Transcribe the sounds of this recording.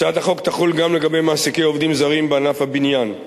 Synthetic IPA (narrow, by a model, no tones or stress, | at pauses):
ʃaat̪aχo̞kt̪aχulɡamle̞ɡabe̞jmaːsikejo̞vd̪imzaʁimbeanafhabinjan